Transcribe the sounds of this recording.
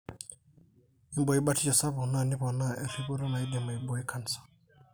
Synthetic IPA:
i˦mbɔ˨i˦ɓa˦tʰi˦t͡ʃa˨sa˦βɔ˨na˦˨ni˦βɔ˨na˦ɛ˨ɾi˦βu˦ɾɛ˦na˨i˦d̪ɛ˨ma˨i˨bɔ˨i˦kʰa˨nsḁ˨

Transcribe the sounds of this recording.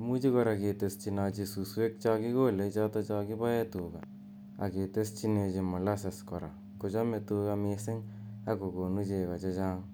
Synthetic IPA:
mu˦t͡ʃi˦kɔ˧ɾa˨ke˨te˨st͡ʃi˨na˧t͡ʃi˧su˨swe˦k̚t͡ʃaki˦ko˦le˨t͡ʃa˦tɔ˦t͡ʃa˧ki˦pa˦je˦tu˨ka | a̰˨ke˨te˦st͡ʃi˦ne˧t͡ʃi˧mɔ˨la˦sa˨skɔ˨ɾa̰˨ | kʊ˨t͡ʃɔ˦me˨tuka˧mesɪ˦ŋ | a˦ko˨ko˨nu˦t͡ʃe˨ka˨t͡ʃa˦t͡ʃaː˦ŋ

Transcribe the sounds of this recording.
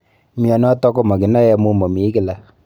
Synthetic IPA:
mja˨nɔ˦tɔ˦ko˦ma˨kɪ˨na˦jɛ˦mu˦mo˨mi˨˦kɪ˦la˨

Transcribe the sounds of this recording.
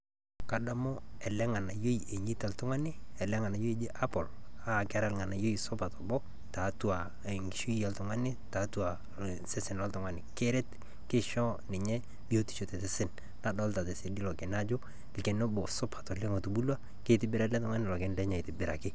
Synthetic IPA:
ka˨da˨mɔ˦ɛ˨lɛ˦ŋa˨na˨jo˦i˨e˨ɲi˦ta˨ltʊ˦ŋa˦nɪ˦ɛ˨lɛ˦ŋa˨na˨jo˦i˦d͡ʒe˦ʔa˦pɔ˨l | a˦˨kɪ˦a˦ɾa˦lŋa˨na˨jo˦i˨sʊ˦pa˨tɔ˨bɔ˦ | ta˨˦tu˦a˨ | ŋɡi˨ʃu˦i˦a˦ltʊ˨ŋa˦nɪ˦ta˨˦tu˦a˨ | sɪ˦sɪ˨nlɔ˦ltʊ˨ŋa˦nɪ˨ke˦ɾɛ˦t | kɪ˦ʃɔ˦nɪ˨ɲɛ˦ | bi˦o˦ti̥˦˨ʃo˨tɛ˨tɪ˦sɪ˦n | na˨dɔ˦lta˨te˨se˨di˦lɔ˨kɪ˨na˦d͡ʒʊ˦ | lkɛ˨no˦bɔ˨sʊ˦pʰḁ˨tɔ˨lɛ˦ŋo˨tu˨bu˦lwa˦ | ke˦˨tɪ˨bɪ˦ɾa˦lɛ˦tʊ˦ŋa˦nɪ˨lɔ˨kɪ˦nlɛ˦ɲa˨ɪ˨tɪ˨bɪ˨ɾa̰˨kɪ˦

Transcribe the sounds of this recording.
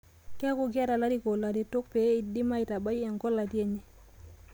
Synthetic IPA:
ke˦ku˨ɡa˦ɾa˨la˦ɾi˦ɡo˨la˨di˨˦to˦k̚pe˨˦i˨di˦ma˦i˨ta˨ba˦ji˦e˨ŋɡo˦lːa˨di˦e˨ɲe˦

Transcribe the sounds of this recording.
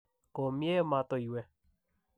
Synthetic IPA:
ko˨mjɛ˦ma˨˧t̪o˧˨i˨wɛ˧

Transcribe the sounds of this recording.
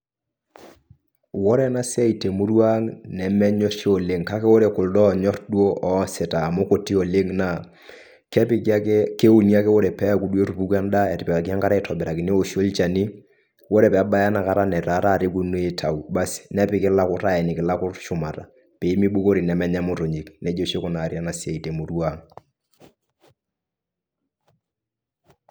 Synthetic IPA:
wɔ˦ɾɛ˦na˦sɛ˦i˨te˨mu˦ɾwa˦ŋnɛ˨mɛ˦ɲɔ˦ʃo˨le˦ŋka˦kɛ˦wɔ˦ɾɛ˨kʊ˨ldɔ˦˨ɲɔ˦tdu˦o˦ʔɔ˨sɛ˨taː˨mʊ˦ko˨ti˦o˨le˦ŋna˨ | kɛ˦pɪ˦kke˦u˨ni˦a˦kɛ˦wɔ˦ɾɛ˨pɛ˦ku˨dwe˦ɾu˨pu˦ka˦nda˦ɛ˨tɪ˨pɛ˨ka˨k̬i˨a˦ŋka˦ɾa˦ɛ˨tʰɔ˨bɛ˨ɾa˨kɪ˨ne˦o˨ʃo˦lt͡ʃa˨ni˦ | wo˦ɾɛ˨pɛ˨˦ɓa˦ja˦na˨ka˦ɾa˦nɛ˨ɾa˨˦ɾa˦˨ɾɪ˦ku˦n˦e˦tʰa˨u˨ba˦snɛ˦pɪ˦kɪ˦la˦kʊ˦ɾa˦˨ɛ˨nɪ˨kɪ˨la˦kʊ˦rʃʊ˨ma˨ta˨ | pe˨i˦mi˦ɓu˦ko˦ɾi˨nɛ˨mɛ˦ɲɛ˦mʊ˦to˨ɲi˨knɛ˨˦d͡ʒo˦ʃe˦kʊ˨na˨ɾja˦na˨se˨i˨te˨mo˨ɾu˦a˦˨ŋ

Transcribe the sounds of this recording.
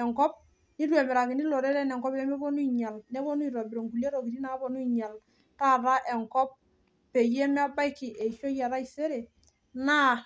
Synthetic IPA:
ɛ˨ŋkɔ˦p̚ | ni˦ɾu˦e˨mɛ˨ɾa˨kɪ˨ni˦lo˨ɾe˦ɾɛ˦nɛ˨ŋkɔ˦bɛ˦me˦bɔ˦nu˦i˨ɲa˨lne˦bo˦nu˦i˨ɾo˨bɪ˨ɾo˨ŋɡu˨le˦ɾo˨ki˨ɾi˦na˨˦bo˨nu˦i˨ɲa˨l | ta˦ɾa˦ʔɛ˨ŋkɔ˦p̚ | pe˨je˦me˦a˦ba˦jkɪ˨ʔe˨ʃo˦ja˨ɾa˦i˨se˦ɾe˨ | na˦

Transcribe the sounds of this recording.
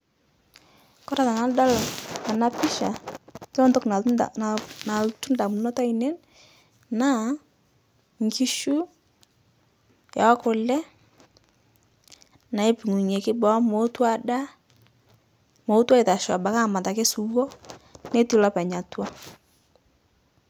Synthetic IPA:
kɔ˦ɾa˨ta˨na˨˦lda˦la˨na˦pi˦ʃa˨t͡ʃɔ˦ntɔ˦kna˨ | na˨ltu˦nda˨mu˨nɔ˦ta˦i˨nɛ˦n | na˦ | ŋki˦ʃu˦ | ja˨˦kʊ˨lɛ˦ | na˨e˦pi˨ŋu˨ɲe˨kɪ˦bɔ˦mo˦twa˦da˦ | mo˨˦twa˦e˨ta˨ʃa˨ba˨ka˦˨ma˨ta˨ke˦su˨wɔ˦ne˦ti˦la˦pɛ˨ɲa˨twa˦

